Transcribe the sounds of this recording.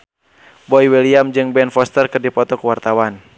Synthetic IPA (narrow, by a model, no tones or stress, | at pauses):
bɔiwɛliamd͡ʒɨŋbɛnfɔst̪ərkɨrdipɔt̪ɔkuwart̪awan